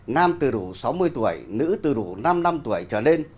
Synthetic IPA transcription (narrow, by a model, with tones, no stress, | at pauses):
naː˧mt̪ɨ˨˩ɗu˧˩sa˨˦wmɨ˧əjt̪u˧˩əjnɨ̰˧˥t̪ɨ˨˩ɗu˧˩na˧mna˧mt̪u˧˩əjt͡ɕəː˧˩ne˧n